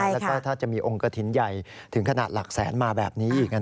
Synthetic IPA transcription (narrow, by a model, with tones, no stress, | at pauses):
lkɔː˥˩t̪ʰaː˥˩t͡ɕa˨˩miː˧ʔo˧ŋka˧t̪ʰi˩˦nja˨˩jt̪ʰɯ˩˦ŋkʰa˧naː˨˩t̪̚la˨˩k̚sɛ̰ː˩˦nmaː˧bɛː˨˩p̚niː˦˥ʔiː˨˩k̚ʔa˧